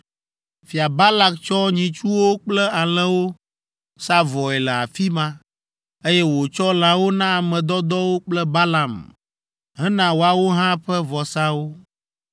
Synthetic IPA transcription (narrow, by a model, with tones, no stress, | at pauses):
fi˨a˨ba˦la˦k̚t͡ʃɔ˦ɲĩ˨t͡ʃu˦wo˦k͡plɛ˦a˨l̃ɛ̃˦wo˦ | sa˦vɔ˨ɛ˨lə˨a̰˨fi˦mã˦ | e˦jɛ˦wo˨t͡ʃɔ˦l̃ã˨wo˦nã˦a˨mɛ̃˨d̪ɔ˦d̪ɔ˦wo˦k͡plɛ˦ba˦la˨m | ɦɛ̃˦nã˦˨wo˨a˨wo˦ɦã˦ɸɛ˦vɔ˨sã˦wo˦